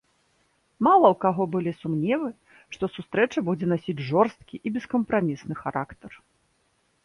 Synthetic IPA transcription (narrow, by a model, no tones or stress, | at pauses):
malˠɐwkaɣɔbɨlʲisumnʲɛvɨ | ʂt̪ɔsust̪ɾɛt͡ʂɐbud͡zʲɛnasʲid͡zʲʐɔrst̪kʲiʔibʲɛskɐmpɾamʲisnɨxaɾakt̪ɐr